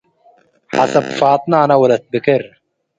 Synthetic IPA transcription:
ħa̰sɐbfɑːt̪ˤnaːnawɐlɐt̪̚bɪkɪɾ

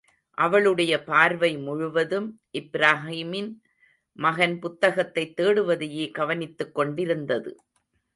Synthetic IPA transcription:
ʔɐʋɐɭɯɽɐjɐpaːɾʋɐɪmʊɻʊʋɐðɯmʔɪbɾaːɦiːmɪn | mɐɣɐnpʊt̪ːɐɣɐt̪ːɐɪt̪ːeːɽɯʋɐðɛjeːɡɐʋɐnɪt̪ːɯkːɔɳɖɪɾɯnd̪ɐðɯ̰

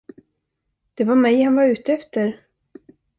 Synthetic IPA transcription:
d̪̥ɛvaɾmɛjhanvaɾʉ̟ːt̪əɛft̪əɾ

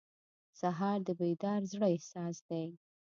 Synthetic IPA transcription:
saɦɑɾd̪əbejd̪ɑɾzɽəɪhsɑsd̪aj

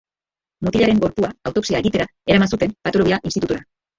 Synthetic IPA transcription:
mot̪iʎaɾe̞ŋɡo̞ɾpuaːwt̪o̞ksiae̞ɣit̪e̞ɾa | e̞ɾamansut̪e̞mpat̪oloβiaʔinst̪it̪ut̪uɾa

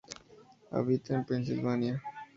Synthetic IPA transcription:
a̰bit̪enpɾensilvania

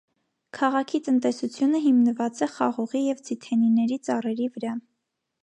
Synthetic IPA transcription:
kʰɑʁɑkʰit̪ənt̪ɛsut͡sʰjunəɦimnəvɑt͡sɛχɑʁɔʁijɛvt͡sʰit̪ʰɛninɛɾit͡sɑrɛɾivəɾɑ

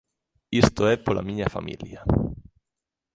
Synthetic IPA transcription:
ist̪oepolʔa̰miɲafa̰mḭlja

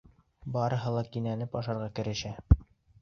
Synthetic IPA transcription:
bɑɾɤ̆ɦɤlˠɑkinænɘpɑʃɑɾʁɑkɘ̆ɾɘ̆ʃæ

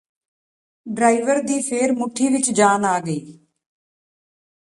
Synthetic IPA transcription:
ɖɾaːɪʋəɾd̪iːpʰeːɾmʊʈʰːiːʋɪt͡ʃd͡ʒaːnaːɡəiː

